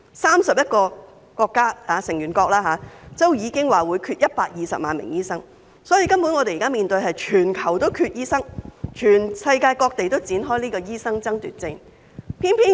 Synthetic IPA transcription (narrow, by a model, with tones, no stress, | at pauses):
saː˥msɐ˨p̚jɐ˥t̚kɔː˧ | kɔː˧kːaː˥haː˨˧sɪ˨˩ŋjyː˨˩nkɔː˧k̚laː˥ɦaː˨˧t͡so˥wjiː˨˧kɪ˥ŋwaː˨wuː˨˧jkʰyː˧t̚jɐ˥t̚paː˧k̚jiː˨˧sɐ̰˨p̚ma̰ː˨˧nmɪ̰˨˩ŋjiː˥sɐ˥ŋ | sɔː˨˥jiː˧kɐ˥mpu˨˥nŋɔː˨˧e˨jkaː˥miː˨nt̪ɵ˧jɦɐ˨jt͡ʃʰyː˨˩nkʰɐ˨˩wt̪o˥wkʰyː˧t̚jiː˥sɐ˥ŋt͡ʃʰyː˨˩nsɐ˧jkaː˧jkɔː˧k̚t̪e˨jt̪o˥wt͡siː˨˥nɦɔː˥jliː˥kɔː˧jiː˥sɐ˥ŋt͡sɐ˥ŋt̪yː˨˩t̚t͡sɪ˧ŋ | pʰiː˥npʰiː˥